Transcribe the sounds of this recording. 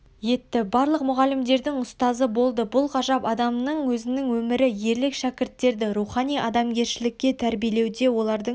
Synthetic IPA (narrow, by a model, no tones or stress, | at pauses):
je̞t̪ːɪbɑɾlˠəqmʊʁɑlɪmd̪e̞ɾd̪ɪŋʊst̪ɑzəbo̞lˠd̪əbʊlˠqɑʒɑpɑd̪ɑmnəɴwɵzɪnɪŋwɵmɪɾɪje̞ɾlɪkʃækʲɪɾt̪ːe̞ɾd̪ɪɾuχɑnijʔɑd̪ɑmɡʲe̞ɾʃɪlɪkʲːe̞t̪ʰæɾbijele̞wd̪e̞wo̞lˠɑɾd̪ə